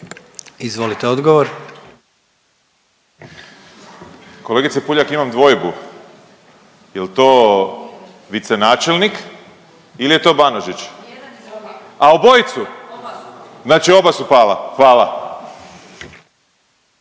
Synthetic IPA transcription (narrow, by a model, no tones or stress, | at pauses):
izʋo̞lit̪eod̪ɡoʋoɾ | ko̞leɡit̪sepuʎakimamd̪ʋo̞jbu | jelt̪o̞ː | ʋit̪se̞naːt͡ʃelnik | ilije̞t̪o̞ːbanoʒit͡ʃ | aubo̞jt̪su | znaːt͡ʃio̞basupaːla̰xʋaːla